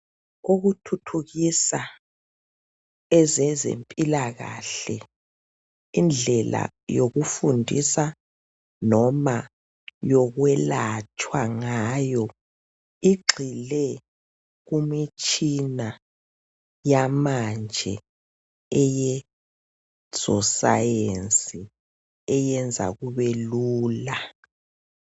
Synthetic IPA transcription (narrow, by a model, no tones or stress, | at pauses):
uɣutʰutʰuɣisa | ɛzɛzḛmpʼilaɣa̰ɬɛ | ind͡ɮʱɛla̰ | joɣufundʱisa | nɔma | jɔɣwɛlat͡ʃʼwaŋajɔ | iɡ͡ǃʱilɛ | ɣumit͡ʃʼina | jamand͡ʒʱɛ̰ | ɛjɛ | sɔsa̰jensʼi | ɛjɛnd͡zʱa̰ɣuβeluuːla